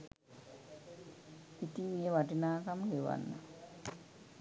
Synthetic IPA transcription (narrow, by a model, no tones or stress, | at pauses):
it̪iŋewaʈinaːkamɡewa̰nːa̰